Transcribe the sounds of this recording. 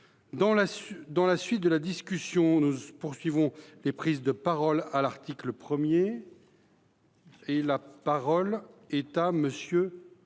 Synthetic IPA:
d̪ɑ̃lasd̪ɑ̃lasɥit̪̚d̪əlad̪iskʲysjɔ̃nupuʁsɥivɔ̃lepχizd̪əpaʁɔlalaʁt̪ikləpχəmje | elapaʁɔlɛt̪aməsjø

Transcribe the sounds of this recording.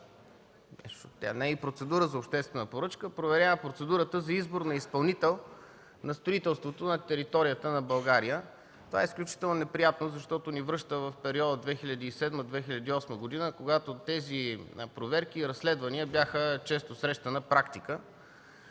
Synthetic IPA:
ɛʃt̪a̰nɛipɾot̪sɛd̪uɾəzɐopʃt̪ɛst̪vɛnəpoɾɤt͡ʃkəpɾovɛɾʲjavəpɾot̪sɛd̪uɾət̪əzɐizboɾnɐispɐlˠnit̪ɛlˠ | nɐst̪ɾoit̪ɛlˠst̪vot̪onɐt̪ɛɾit̪ɔɾijət̪ənɐbɐlˠɡaɾijə | t̪ova̰ɛisklʲut͡ʃi̥t̪ɛlˠnonɛpɾijat̪nozɐʃt̪ɔt̪onivɾɤʃt̪əvɐfpɛɾiɔd̪əd̪vɛxiʎʲɐd̪iːsɛd̪məd̪vɛxilʲɐd̪iɔsməɡod̪inəkoɡat̪ot̪ɛzipɾovɛɾk̟iːɾɐslɛd̪vɐniəbjaxət͡ʃɛst̪osɾɛʃt̪ənɐpɾakt̪ikə

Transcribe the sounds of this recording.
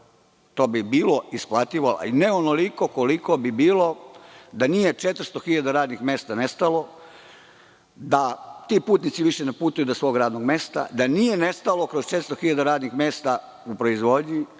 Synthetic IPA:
t̪o̞ːbibiːlo̞isplˠat̪iʋola̰ineo̞noliko̞koliko̞bibiːlod̪anije̞t͡ʃet̪ɾ̩st̪o̞xiʎad̪aɾaːd̪nixme̞st̪ane̞st̪alo̞ | d̪at̪iːpuːt̪nit̪siʋiʃenepuːt̪ujud̪osʋo̞ːɡɾaːd̪no̞ɡme̞ːst̪a̰d̪anije̞ne̞st̪alo̞kɾo̞st͡ʃet̪ɾst̪oxiʎad̪aɾaːd̪nixme̞ːst̪a | upɾo̞izʋo̞d̪ɲi

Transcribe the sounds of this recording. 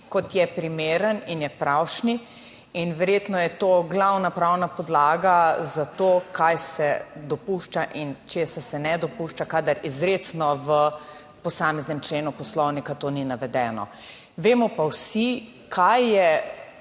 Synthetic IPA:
kɔt̪jɛpɾimeːɾəninjɛpɾawʃni | inʋɛɾjet̪nɔjɛt̪oːɡlawnapɾawnapɔd̪laːɡazat̪oːkajsɛd̪ɔpuʃt͡ʃaʔint͡ʃesasɛnɛd̪ɔpuʃt͡ʃakad̪əɾizɾetsnɔʋə | pɔsaːmɛznɛmt͡ʃleːnupɔslɔwnikat̪oːninaʋɛd̪ɛːnɔ̰ | ʋeːmɔpawsi | kʰajːɛ

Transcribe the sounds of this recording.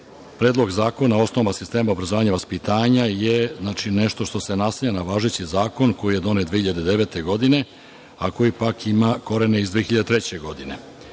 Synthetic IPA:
pɾeːd̪lˠo̞ɡzaːko̞nao̞snoʋmasist̪e̞ːmaobɾazoʋaːɲaʋaspit̪aːɲajeznaːt͡ʃineʃt̪o̞ʃt̪o̞se̞naseʎanaʋaːʒet͡ɕizaːko̞nko̞jije̞d̪o̞net̪d̪ʋehiʎad̪ed̪e̞ʋe̞ːt̪e̞ɡo̞d̪ine̞ | ako̞jipakʰimako̞ɾeneizd̪ʋexiʎad̪et̪ɾet͡ɕe̞ɡo̞d̪ine

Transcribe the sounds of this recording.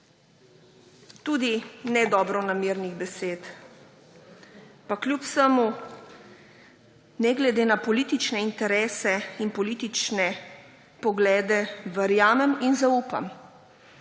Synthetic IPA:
t̪uːd̪inɛd̪ɔːbɾɔnamiːɾniɣbɛseːt̪ | pakljupsəmu | nɛɡlɛd̪eːnapɔliːt̪it͡ʃnɛint̪ɛɾɛːsɛinpɔliːt̪it͡ʃnɛ | pɔɡlɛːd̪ɛʋɛɾjaːmɛminzauːpa̰m

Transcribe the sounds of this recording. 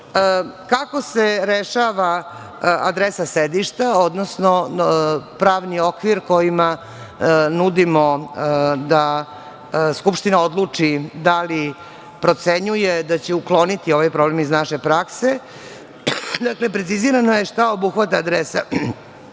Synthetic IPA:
kako̞se̞ɾeʃaʋa | a̰d̪ɾesased̪iʃt̪ao̞d̪nosno̞ | pɾaːʋnio̞kʋiɾko̞jima | nud̪imo | d̪a | skupʃt̪inaod̪lˠut͡ʂid̪ali | pɾo̞t̪seɲujed̪at͡ɕeuklˠo̞nit̪io̞ʋajpɾo̞blemiznaʃepɾakse | d̪akle̞pɾesiziɾanojeʃt̪aobuxʋat̪aːd̪ɾesa

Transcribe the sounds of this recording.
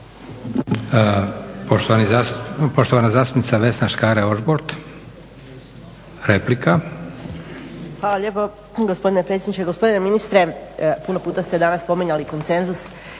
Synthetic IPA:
poʃt̪oanipo̞ʃt̪oʋanazaːst̪upnit̪saʋe̞snaʃkaɾeoʒboɾt̪ | ɾeplika | xʋaːlaʎe̞ːpo | ɡospo̞d̪inepɾet̪sjed̪nit͡ʃkeɡo̞spo̞d̪ineminist̪ɾe̞puno̞puːt̪ast̪ed̪anasːpo̞miɲaliko̞nt̪se̞nzus

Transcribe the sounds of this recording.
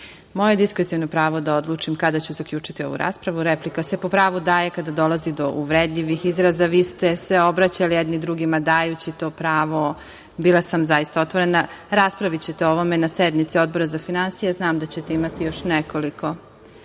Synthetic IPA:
mo̞jed̪iskɾet̪ionopɾaːʋo̞d̪ao̞d̪luːt͡ʂimkad̪at͡ɕuzakʎut͡ʂit̪io̞̰ʋṵɾa̰ːspɾaʋuɾeplikase̞po̞pɾaːʋud̪aːje̞kad̪ad̪o̞lazid̪o̞ʔuʋɾed̪ʎiʋixizɾazaʋiːst̪eseo̞bɾat͡ɕalijed̪nid̪ɾuɡimad̪aːjut͡ɕit̪o̞ːpɾaːʋo̞ | biːlˠasamzajist̪aot̪ʋoɾe̞naɾaːspɾaʋit͡ɕet̪eoʋome̞nased̪nit̪sio̞d̪̚bo̞ɾazafinansijeznaːmd̪at͡ɕet̪eimat̪ijo̞ʃneko̞liko̞

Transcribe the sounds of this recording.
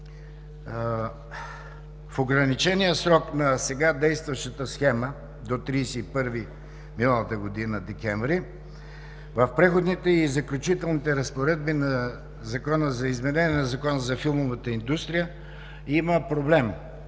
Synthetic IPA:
foɡɾɐnit͡ʃɛnijəsɾɔknɐsɛɡad̪ɛjst̪vɐʃt̪ət̪əsxɛmə | d̪ot̪ɾiːsɛipɤɾvi | minəlˠət̪əɡod̪inəd̪ɛkʲɛɱvɾi | vəfpɾɛxod̪nit̪ɛizɐklʲʊt͡ʃit̪ɛlˠnit̪ɛɾəspoɾɛd̪̚binɐ | zɐkɔnəzɐizmɛnɛnʲɛnɐzɐkɔnəzɐfilˠmovət̪əind̪ust̪ɾijə | iməpɾoblɛm

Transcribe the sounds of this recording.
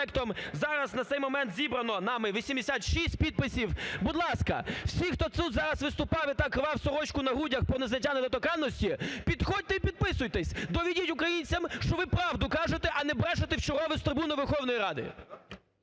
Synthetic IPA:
ɛkt̪ɔmzɑɾɐznɐt̪sɛjmɔmɛnt̪zʲibɾɐnɔnɑmɪʋʲisʲimd̪ʲesʲat̪ʃisʲtʲpʲid̪̚pɪsʲiwbʊd̪lˠɑskɐ̰wsʲixt̪ɔt̪sud̪zɑɾɐsʋɪst̪ʊpɑʋɪt̪ɐkɾɪʋɑwsɔɾɔt͡ʃkʊnɐɦudʲɐxpɾɔneznɐtʲːaned̪ɔt̪ɔkɑnːɔsʲtʲipʲid̪xɔd̚ʲt̪ɛipʲid̪̚pɪsʊjt̪ɛsʲd̪ɔʋʲidʲitʲʊkɾɐjinʲt͡sʲɐmʃt͡ʃɔʋɪpɾɑwd̪ʊkɑʒet̪ɛʔɐnɛbɾɑʒet̪ɪwt͡ʃɔɾɔʋɪst̪ɾɪbunʊʋerxɔwnɔjiɾɑd̪ɪ̰

